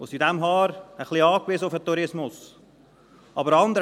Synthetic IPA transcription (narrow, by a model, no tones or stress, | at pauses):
osidæmɦɑːɾəχliɑːkʋizəʊfət̪uɾɪsmʊs | ɑbəɾɑnd̪əɾ